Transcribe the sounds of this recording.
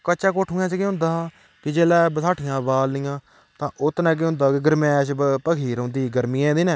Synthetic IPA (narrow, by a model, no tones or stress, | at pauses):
kət͡ʃaːkoːʈʰɦuːɛ̃ːt͡ʃːkeɦʊ̃nd̪aː | kɪd͡ʒeːlɛːbət̪ʰaːʈʰɪjãːbaːlːɪjãː | t̪ãːʔʊt̪nɛ̃ːk̬eɦʊ̃nd̪aːkɪɡəɾmɛ̃ːʃpəkʰiːɾõːnd̪iːɡəɾmɪjɛ̃ːd̪iːnɛ̃ː